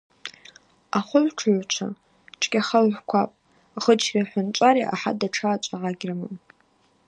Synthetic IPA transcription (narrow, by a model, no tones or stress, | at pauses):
aχʷʊlʈ͡ʂʰʕʷt͡ʃʷʰa̰ | ʈ͡ʂʼkʲʼaχalʕʷkʷʰapʼ | χəd͡ʒrʲaħʷʊnt͡ʃʷʼaɾiʔaħa̰daʈ͡ʂʰaːt͡ʃʷʼaʕaɡʲramɨm